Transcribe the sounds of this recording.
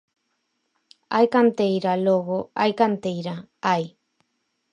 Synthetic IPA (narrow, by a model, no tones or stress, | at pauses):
a̰jkant̪ejɾaloɣoajkant̪ejɾa | aj